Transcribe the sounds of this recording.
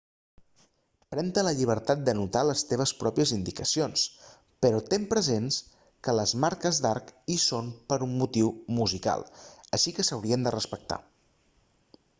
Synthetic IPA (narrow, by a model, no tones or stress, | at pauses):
pɾɛnt̪ələʎiβ̞əɾt̪at̪̚d̪ənut̪aləst̪eβ̞əspɾɔpiəzind̪ikəsions | pəɾɔt̪empɾəzens | kələzmaɾkəzd̪aɾkisonpəɾumːut̪iwmuzika̰lˠəʃikəsəwɾiənd̪ərəspək̚t̪a̰